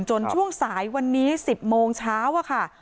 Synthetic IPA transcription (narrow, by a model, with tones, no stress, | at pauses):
nt͡ɕo˧nt͡ɕʰu˥˩əŋsaː˩˦jwa˧nːiː˦˥si˨˩p̚moː˧ŋt͡ɕʰaː˦˥wʔa˨˩kʰa˥˩